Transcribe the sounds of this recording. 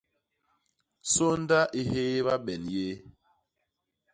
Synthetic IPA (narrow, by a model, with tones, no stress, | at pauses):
so˦n˦da˦ʔi˨he˦βa˦ɓɛ˨nje˦